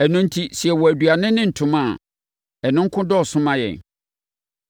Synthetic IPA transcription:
æ˨nʊ̃˦n̩˦tʰi˦si˨ɛ˨wɔ˨æ˨dɥa˨nɪ̃˦nɪ̃˦n̩˨tʰʊ̃˨mã˦˨ | ɛ˨nʊ̃˦ŋ̩˦kʰʊ̃˦dɔ˦ɔ˨sʊ̃˦mã˦jɛ̰̃˨n

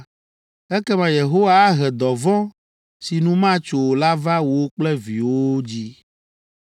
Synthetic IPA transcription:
ɛ˦kɛ˦mã˨je˨ɦo˦wa˦ɦɛ˨d̪ɔ˨vɔ̃˦ | si˨nũ˦mã˦t͡ʃo˨la˦va˦wo˦k͡plɛ˦vḭ˨wo˦d͡ʑi˦

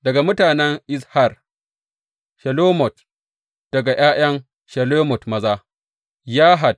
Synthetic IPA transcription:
dɐ˨ɡa˨mʊ˦taː˨nɛ˦ŋʔɪ˦shɐ˨r | ʃɐ˨loː˦mɔ˨t̚ | d̥ɐ˨ɡa˨j̰ʔaː˦j̰ɐ˦ŋ | ʃɐ˨loː˦mɔ˨tmɐ˦zaː˦ | jaː˦ɦa˨d̚

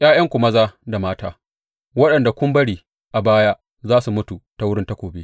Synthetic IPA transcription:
ʔj̰aː˦jɐ˦ŋkʷʊ˨mɐ˦zaː˦da˨maː˦ta̰ː˦ | wɐ˦ɗɐ˨nda˨kʷʊ˦mbɐ˦ɽiː˨ | ʔa˨baː˦jaː˦ | zaː˦su˨mʊ˦tu˨ta˦wʊ˦ɽɪ˦nta˦kʷoː˨beː˦

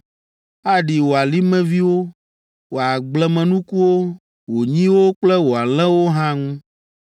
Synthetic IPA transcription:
a˦ɖi˨wo˨a˨li˦mɛ̃˦vi˦wo˦ | wo˨a˨ɡ͡blɛ˨mɛ̃˨nũ˦ku˦wo˦ | wo˨ɲĩ˦wo˦k͡plɛ˦wo˨a˨l̃ɛ̃˦wo˦ɦã˦ŋũ˦

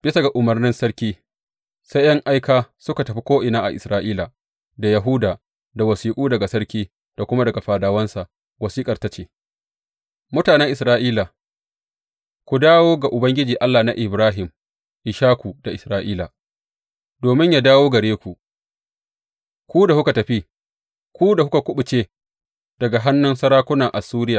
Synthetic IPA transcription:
b̥ɪ˦sa˨ɡa˨ʔʊ˨mɐ˨rnɪ˦nsɐ˦ɽkʲiː˦ | sa˦jʔɐ˦ŋʔa˦jkaː˦sʊ˦ka˨tɐ˨ɸi˦kʷoː˦ʔɪ˨naː˦ʔa̰˨ʔɪ˨sɾaː˦ʔiː˦la˨ | da˨ja˨ɦuː˦daː˨ | da˨wɐ˨siː˨kʼuː˦dɐ˨ɡa˨sɐ˦ɽkʲiː˦ | d̥a˨kʷʊ˦ma˦dɐ˨ɡa˨ɸaː˨daː˨wɐ˦nsa˨ʔ | wɐ˨siː˦kʼɐ˨rta˦t͡ʃeː˦ | mʊ˦taː˨nɛ˦ŋʔɪ˨sɾaː˦ʔiː˦la˨ | kʷu˨daː˦woː˦ɡa˨ʔʊ˨bɐ˦ŋɡʲɪ˦d͡ʒiː˨ʔa˦lːaː˨na˦ʔɪ˨bɾaː˦ɦɪ˨m | ʔɪ˨ʃaː˦kʷu˨d̥a˨ʔɪ˨sɾaː˦ʔiː˦la˨ | doː˨mɪ˦ɲjaː˦daː˦woː˦ɡɐ˨ɽeː˦kʷu˨ | kʷu˦da˨hʊ˦ka˨tɐ˨ɸi˦ | kʷuː˦da˨hʊ˦ka˨kʷʊ˦ɓʊ˨t͡ʃeː˦ | d̥ɐ˨ɡa˨ɦa˦nːʊ˦nsɐ˦ɾaː˦kʷʊ˦naː˨ʔa˨suː˦ɾɪ˦jaː˨

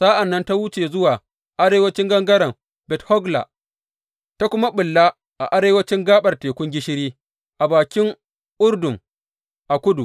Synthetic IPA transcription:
saː˦ʔa˨nːɐ˦nta˦wʊ˦t͡ʃeː˨zʊ˦waː˨ | ʔa˦ɾeː˦wɐ˦t͡ʃɪ˦ŋɡɐ˦ŋɡɐ˦ɾɐ˨m | bɛ˨thɔ˦ɡla̰˨ | ta˦kʷʊ˦ma˦ɓʊ˨lːa˦ | ʔa̰˨ʔa˦ɾeː˦wɐ˦t͡ʃɪ˦ŋɡaː˦ɓɐ˨rteː˨kʷʊ˦ŋɡʲɪ˦ʃɪ˦ɾiː˦ | ʔa˨baː˨kʲɪ˦ŋ | ʔʊ˦rdʊ˨ŋ | ʔa˨kʷʊ˦du˨

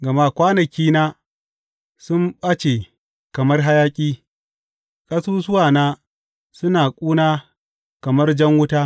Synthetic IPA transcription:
ɡɐ˨ma˦kʷaː˦nɐ˨kʲiː˦naː˦ | sʊ˦mɓɐ˦t͡ʃe˨ | kɐ˨mɐ˦rɦa˦jaː˦kʲʼiː˦ | kʼɐ˦suː˦sʊ˦waː˨naː˦ | sʊ˦naː˨kʷʼuː˦naː˦ | kɐ˨mɐ˦rd͡ʒɐ˦ŋwʊ˦taː˦

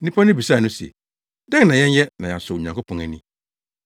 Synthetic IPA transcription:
nĩ˦pʰɔ˦nɪ̃˦bi˨sa˦˨nʊ̃˦sḛ˨ | dɛ̃˦ŋ˦nã˨jɛ̃˦n˦jɛ˦nã˨ja˨sʊ˨ɲã˨ŋkʊ˦pʰɔ̃˨ŋæ˨nĩ˦˨

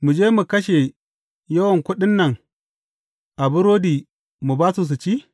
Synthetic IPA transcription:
mu˨d͡ʒeː˦mu˨kɐ˦ʃe˨ | jɐ˦wɐ˨ŋkʷʊ˦ɗɪ˦nːɐ˨ŋ | ʔa˨bʊ˦ɾoː˦diː˨ | mu˨baː˦su˨s̬u˨t͡ʃiː˦

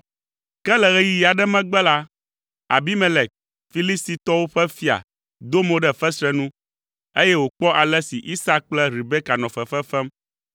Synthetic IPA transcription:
kɛ˦lɛ˨ɣɛ˦ji˦ja˨ɖɛ˦mɛ̃˦ɡ͡bɛ˦la˦ | a̰˨bi˦me˨lɛ˨k̚ | fi˦li˦st̪i˨t̪ɔ˦wo˦ɸɛ˦fi˦a̰˨ | d̪o˦mõ˨˦ɖɛ˦fɛ˦sɾɛ˦nũ˦ | e˦jɛ˦wo˨k͡pɔ˦ʔa˨lɛ˦si˨ʔi˦sa˦k͡plɛ˦ɾi˨bɛ˦ka˨nɔ̃˨fɛ˨fɛ˦fɛ˦m

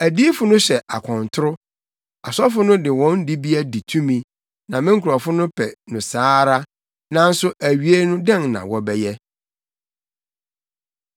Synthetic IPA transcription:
æ˨di˦fʊ˨nʊ̃˦ɕɛ˨ʔa˨kʰɔ̃˨n˨tʰʊ˦ɾʊ˦ | a˨sɔ˦fʊ˦nʊ̃˦dɪ˨wɔ̃˦n˦di˦bi˦a˦di˨tʰũ˦mĩ˨˦ | nã˨mɪ̃˦ŋ̩˦kʰu˨ɾɔ˨fʊ˦nʊ̃˦pʰɛ˨nʊ̃˨saː˦ɾa˦ | nã˨n̩˦sʊ˦ʔæ˨ɥi˨˦e˦nʊ̃˦dɛ̃˦˨ŋnã̰˨wɔ˨bɛ˦jɛ˦

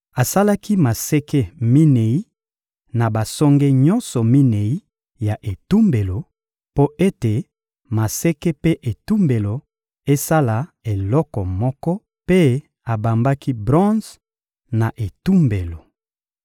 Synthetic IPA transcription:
a˨sa˦la˦ki˦ma˨sɛ˦ke˦mi˦ne˨i˦ | na˨ba˨sɔ˦ŋɡe˦ɲɔ̃˦nsɔ˨mi˦ne˨i˦ | ja˨ʔe˨tu˦mbe˨lo˨ | po˦ʔe˦te˨ | ma˨sɛ˦ke˦pe˦ʔe˨tu˦mbe˨lo˨ | e˦sa˦la˨e˨lɔ˦kɔ˨mɔ˦kɔ˦ | pe˦ | a˨ba˨mba˦ki˦bʁɔ̃˦z | na˨ʔe˨tu˦mbe˨lo˨

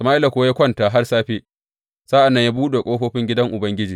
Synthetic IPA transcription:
sɐ˨maː˦ʔɪ˦la˨kʷo˦a˦ja˦kʷɔ˦ntaː˨ɦa˦rsaː˦ɸeː˦ | saː˦ʔa˨nːɐ˦ɲja˦buː˦ɗe˨kʷʼoː˦ɸoː˦ɸɪ˦ŋɡʲɪ˦dɐ˦ŋʔʊ˨bɐ˦ŋɡʲɪ˦d͡ʒiː˨

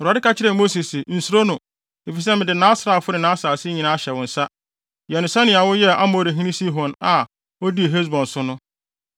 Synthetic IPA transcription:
a˨dɪ˦ka˦t͡ɕʰɪ˦ɾɛ̃˨mo˦si˨sɪ˨n̩˨su˦ɾo˦nʊ̃˨ | e˨fi˨sɛ˦mɪ̃˨dɪ˨nãː˦sɾa˨fʊ˦nɪ̃˨nãː˨˦sɾa˨sɪ˦ɲĩ˨nãː˦a˦˨ɕɛ˨wʊ̃˨n̩˨sa˦ | jɛ˨nʊ̃˨sɛ˦nɪ̃˨a˨wʊ˦jɛ˦a˦mo˨ɾi˨ɦĩ˦nĩ˦si˦ɦɔ̃˨na˨ | ɔ˦di˦e˨ɦe˦s̬bɔ̃˨n˨sʊ˦nʊ̃˦

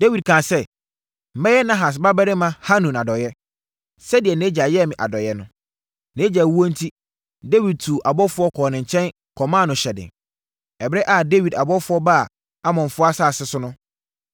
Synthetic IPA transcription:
d̥e˦wi˨d̚kʰãː˨sɛ˦ | m̩˨˦mɛ̃˦jɛ˦nã˦ɦa˨s̬ba˦bɛ˦ɾɪ˦mã˦ha˦nũ˨na˨dɔ˨jɛ˦ | sɛ˦dɪ˨ɛ˨nẽ˦d͡ʑa˨jɛ˦˨mɪ̃˨ʔa̰˨dɔ˨jɛ˦nʊ̃˦ | nɛ̃˦d͡ʑa˨wu˦ɔ̃˦n̩˦tʰi˦ | de˦wi˨d̚tʰu˨ʔa˨bɔ˦fʊ˦ɔ˦kʰɔː˨nɪ̃˨ɲ̩˨t͡ɕʰɛ̃˦n | kʰɔ˨mãː˦˨nʊ̃˨ɕɛ˨dɪ̰˨ | ɛ˨bɛ˦ʔa˦˨de˦wi˨da˨bɔ˦fʊ˦ɔ˦ba˦˨ | a˦mɔ̃˨n˨fʊ˦a˦saː˦˨sɪ˦sʊ˦nʊ̃˦

